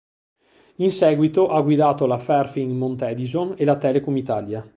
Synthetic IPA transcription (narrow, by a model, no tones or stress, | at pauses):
insɛːɡwit̪oʔaɡwid̪aːt̪olafɛrfiŋmont̪ɛd̪izonelat̪ɛːlekomit̪aːlja